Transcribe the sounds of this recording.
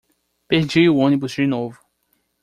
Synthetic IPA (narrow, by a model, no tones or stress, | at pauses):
peɾd͡ʒiʊõnibuzd͡ʒɪnovʊ